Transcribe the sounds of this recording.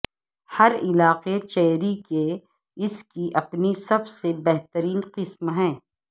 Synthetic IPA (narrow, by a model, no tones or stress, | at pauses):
hɐɾɪlaːqet͡ʃɛːɾike | ɪskiʔɐpnisɐbsebɛɦt̪əɾiːnqɪsmɦɛ̃ː